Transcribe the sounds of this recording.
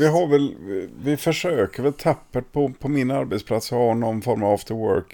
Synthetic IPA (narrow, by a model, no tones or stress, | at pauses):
vɪɦavɛlvɪfœʂøːkəɾvɛlt̪ʰapːəʈ̚pʰɔpʰɔmɪnaɾbɛt̪spʰlat̪sɔhaɳɔnːfɔɾmavɔft̪əwœ̰ɾk